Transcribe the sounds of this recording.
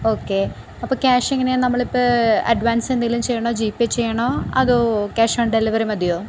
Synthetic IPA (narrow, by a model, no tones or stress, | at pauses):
oːkːe | ɐpːoːkʲaːʂeŋːɐnenɐmːɐɭipːoɐ̰ɖʋaːnseniɡilumt͡ɕejːɐɳoːd͡ʑiːpːet͡ɕːejːɐɳoːɐ̰ðokaːʂɐːɳɖeliʋɐɾimɐd̪ijoː